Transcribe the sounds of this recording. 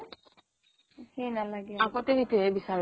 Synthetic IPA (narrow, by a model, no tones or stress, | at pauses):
henalaɡɛakɔtɛɦitiɛbisaɹ